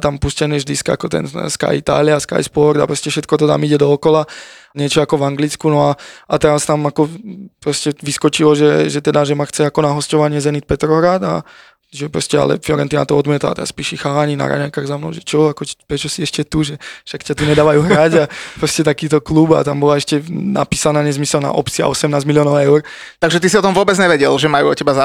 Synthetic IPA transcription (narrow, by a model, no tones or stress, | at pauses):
t̪ampuscɛniʒd̪iskaa̰kɔt̪ɛ̰nska̰jit̪a̰ːliaska̰jspɔɾd̪apɾɔscɛfʃɛt̪̚kɔt̪ɔt̪a̰miɟɛd̪ɔːkɔlaɲɪɛt͡ʃɔakɔʋaŋɡlit͡skunɔaat̪ɛɾast̪amakɔpɾɔscɛʋiskɔt͡ʃilɔʒɛʒɛt̪ɛd̪aʒɛmaxt͡sɛakɔnaɦɔscɔʋaɲɪɛzɛnit̪̚pɛt̪ɾɔɦɾaːd̪a̰ | ʒɛpɾɔscɛa̰lɛ̰flɔɾɛnt̪ina̰t̪ɔɔd̪mɪɛt̪la̰t̪ɛ̰ɾa̰spiːʃixaːlaɲina̰ɾa̰ɲajkaːɣzamnɔ̰ʊʒɛt͡ʃɔakɔpɾɛt͡ʃɔsiɛʃcɛt̪uʒɛfʃakcat̪uɲɛd̪aːʋajuːɦɾaɟapɾɔscɛt̪akiːt̪ɔkluba̰t̪ambɔlaɛʃcɛna̰piːsanaːɲɛzmisɛlna̰ʔɔpt͡sia̰ʔɔsɛmnaːzmiliɔːnɔʊɛʊɾ | t̪aɡʒɛt̪is̬iɔt̪ɔmʋʊɔbɛd͡zɲɛʋɛɟɛlʒɛmajuɔcɛbaza